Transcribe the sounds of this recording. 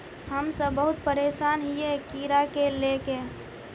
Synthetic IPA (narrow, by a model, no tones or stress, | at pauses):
həmsəbːəɦʊt̪pəɾeːsaːnɦiekiɾakeleke